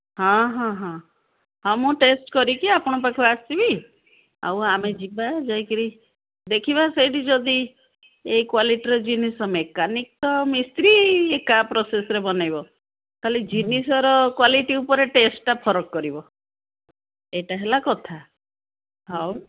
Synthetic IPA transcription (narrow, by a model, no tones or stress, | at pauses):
ɦãɦãɦã | ɦãmũʈesʈkɔɾikiapɔɽ̃ɔpakʰuasibi | a̰wamed͡ʒibad͡ʒajkiɾi | d̪ekʰibasejʈid͡ʒɔd̪i | eikwaliʈiɾɔd͡ʒinisɔmekanik̚t̪ɔmist̪ɾiekapɾɔsesɔɾebɔnajbɔ | kalid͡ʒinisɔɾɔkwaliʈiupɔɾeʈesʈʈapʰɔɾɔkːɔɾibɔ | eʈaɦelakɔt̪ʰa | ɦaw